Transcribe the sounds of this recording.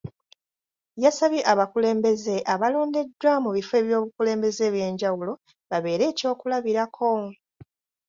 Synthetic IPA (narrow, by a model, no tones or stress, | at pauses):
jasaβiʔaβakule̞ːmbe̞ze̞ʔaβalo̞ːnde̞dːwamuβife̞ːβjo̞ːβukule̞ːmbe̞ze̞βje̞ːɲɟawulo̞ | βaβe̞ːɾe̞ːco̞ːkulaβiɾakʰo̞